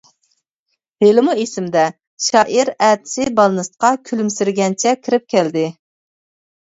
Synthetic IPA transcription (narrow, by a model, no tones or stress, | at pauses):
helɪmuesɪmd̪ɛ | ʃɑːʔiɾæːt̪ʰɪ̥sɪbɑlˠɨnɨst̪ə̥qʰɑkʲʰylymsɪɾɡʲɛnt͡ʃʰɛkʲʰiɾɪp̚kʲʰɛld̪ɪ